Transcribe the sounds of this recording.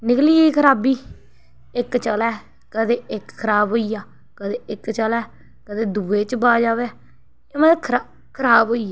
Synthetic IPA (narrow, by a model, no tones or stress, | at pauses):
nɪkliːeikʰəɾaːbiː | ɪkt͡ʃəlɛː | kəd̪eːɪkkʰəɾaːbɦoːijaː | kəd̪eːɪkt͡ʃəlɛː | kəd̪eːd̪uːeːt͡ʃbaːd͡ʒaːʋeː | emɛ̃ːkʰa | kʰəɾaːbɦoːiː